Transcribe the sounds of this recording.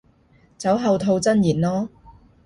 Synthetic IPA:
t͡sɐ˨˥wɦɐ˨wt̪ʰo˧wt͡sɐ˥njiː˨˩nlɔː˥

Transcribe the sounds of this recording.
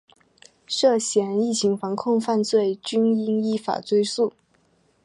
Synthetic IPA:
ʂɤ˥˩ɕjɛ˧˥ni˥˩t͡ɕʰi˧˥ŋfɑ˧˥ŋkʰʊ˥˧ŋfa˥˧nt͡swe˥˩ɪt͡ɕy˥ni˥ŋi˥˩fa̰˨˩t͡swe˥ɪsu˥˩

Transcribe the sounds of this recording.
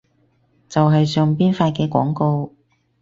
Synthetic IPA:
t͡sɐ˨wɦɐ˨jsœː˨˧ŋpiː˥nfaː˧t̚kɛː˧kʷɔ̰ː˨˥ŋko˧w

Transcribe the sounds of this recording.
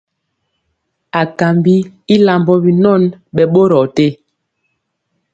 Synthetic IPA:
a˨ka˨mbi˦i˦la˨mbɔ˦bi˨nɔ˦˨nɓɛ˨ɓo˦ɾɔ˨te˦

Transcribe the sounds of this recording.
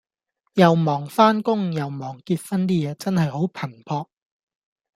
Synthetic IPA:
jɐ˨wmɔː˨˩ŋfaː˥nkʊ˥ŋjɐ˨wmɔː˨˩ŋkiː˧t̚fɐ˥nt̪̬iː˥jɛː˨˧t͡sɐ˥nhɐ˨jɦo˨˥wpʰɐ˨˩npʰɔː˧k̚

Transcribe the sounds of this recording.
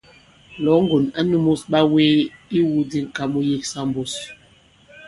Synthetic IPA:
lɔ˨˦ŋ˦ɡo˨na˦nu˦mo˦sɓa˦we˦i˦wu˦di˦ŋ̩˨ka˦mu˦je˦ksa˦m˦bo˦s

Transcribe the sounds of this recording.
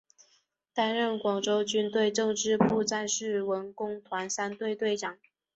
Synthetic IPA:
t̪a˥nɻə˥˩nkwɑ˨˩ŋʈ͡ʂo˥ʊt͡ɕy˥nt̪we˥˧ɪʈ͡ʂɤ˥˧ŋʈ͡ʂɻ̩˥pʰu˥˧t͡sa˥˧nʂɻ̩˥˩wə˧˥nkʊ˥ŋt̪ʰwa˧˥nsa˥nt̪we˥˧ɪt̪we˥˩ɪʈ͡ʂɑ˨˩˦ŋ

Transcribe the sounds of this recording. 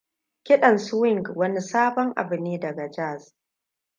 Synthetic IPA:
kʲɪ˦ɗɐ˨nsʊ˦wɪ˦˨ŋɡwɐ˦ni˦saː˦bɔ˦ŋʔa̰˨bʊ˨niː˦dɐ˨ɡa˨d͡ʒaː˦˨s

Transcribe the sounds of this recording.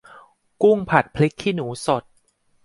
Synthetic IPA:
ku˥˩ŋpʰa˨˩t̪̚pʰli˦˥kʰːiː˥˩nuː˩˦so˨˩t̪̚

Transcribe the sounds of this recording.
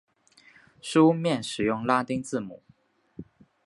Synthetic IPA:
ʂu˥mjɛ˥˩nʂɻ̩˨˩jʊ˥˩ŋla˥t̪i˥ŋt͡sɹ̩˥˩mṵ˨˩˦

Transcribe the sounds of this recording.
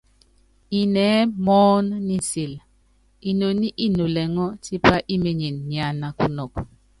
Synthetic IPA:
i˨nɛ˨˦mɔː˦nni˦˨si˨l | i˨no˨ni˦ʔi˦no˨lɛ˨ŋɔ˦ti˦pa˦ʔi˦me˨ɲe˨nɲi˨a˨na˨ku˦nɔ˨k̚

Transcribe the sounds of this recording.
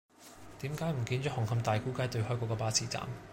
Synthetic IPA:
t̪iː˨˥mkaː˧˥jm̩˨˩kiː˧nt͡ʃɔː˨˥hɔ˨˩ŋhɐ˧mt̪aː˨jku˨˥kaː˨˥jt̪ɵ˧ɥhɔː˥kʷɔː˨˧kɔː˧paː˥t͡sʰiː˨˩t͡sa̰ː˨m

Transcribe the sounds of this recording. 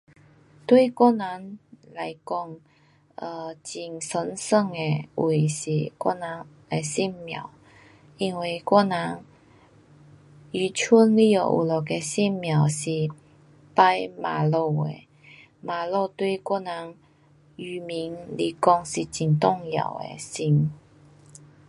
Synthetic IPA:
t̪wi˥˧kwɔ˥na˧˦nla˧jkɔ˧ŋ | ə˧t͡ɕi˨˩ŋsə˧˦nsə˥˧˨ŋe˧wʔe˨˩ɕi˨˩kwɔ̰˥na˧˦ŋ | e˧si˥˧˨mːja̰˨˩˨w | ʔi˧nwi˨˩kwɔ˥na˧˦ŋ | y˨˩t͡ɕʰu˥nli˥˧˩o̰˨˩ʔṵ˨˩lɔ˨˩ke˧si˥˨nmja˨˩wsi˨˩ | pa˥˧jma˨˩lo˧ḛ˧˩ | ma˨lo˧t̪wi˥˧kwɔ˥˧na˧˦ŋ | y˨˩mi˧˦ŋli˧˩kɔ˧˩ŋɕi˨˩t͡ɕi˨˩ŋt̪ɔ˥˧ŋja̰˨˩wḛ˧si˧˩ŋ

